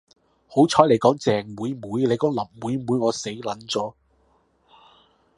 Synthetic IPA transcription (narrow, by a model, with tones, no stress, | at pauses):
ho˨˥wt͡sʰɔː˨˥le˨˧jkɔː˨˥ŋt͡sɛː˨ŋwuː˨˧jmuː˨˧˥jle˨˧jkɔː˨˥ŋlɐ˨˩m̚wu˨˧jmuː˨˥jŋɔː˨˧se˨˥jlɐ˨˥nt͡sɔː˨˥